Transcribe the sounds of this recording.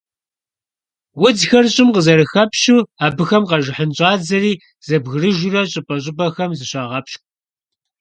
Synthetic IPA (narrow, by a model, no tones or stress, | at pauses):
wʊd͡zxɐrɕʼɪmqəzɐɾɨxɐpʃuːaːbɨxɐmqɐʒɪħənɕʼɑːd͡zɐriː | z̥ɐbɣɨrɨʒʷʊrɐɕʼɪpʼɐɕʼɪbɐxɐmzɨɕaːʁɐpʃxʷ